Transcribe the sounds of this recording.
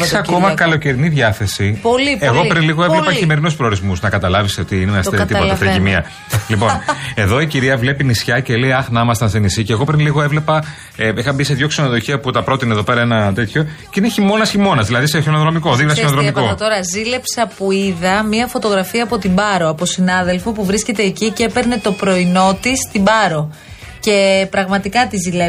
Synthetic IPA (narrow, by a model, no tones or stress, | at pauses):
seɐko̞mɐkɐlo̞ce̞ɾiniðʝɐθe̞sipolieɣo̞pɾinliɣoevlepɐçime̞ɾinuspɾe̞ɾizmusnɐkɐt̪ɐlɐviseot̪iinemɐseit̪ipt̪ft̪ɾeimiɐ | lipo̞ne̞ðo̞iciɾiɐvle̞pinisçɐceleiɐxnɐmɐst̪ɐnst̪enisiceɣo̞pɾinliɣoevle̞pɐ | eixɐmbise̞ðʝo̞ksenoðo̞çiɐput̪ɐpɾo̞t̪ineðo̞pe̞ɾɐenɐt̪et̪ço̞ceineçimo̞nɐsçimo̞nɐzðilɐðiseçonoðɾo̞miko̞ðivðɐsonðɾomkot̪oɾɐzile̞psɐpuiðɐmiɐfo̞t̪o̞ɣɾɐfiɐːpo̞t̪ibɐɾo̞ɐposinɐðe̞lfo̞puvɾisce̞t̪e̞ːcicepe̞ɾne̞t̪o̞pɾo̞ino̞t̪ist̪ibɐɾo̞ | ce̞pɾɐɣmɐt̪ikɐt̪izile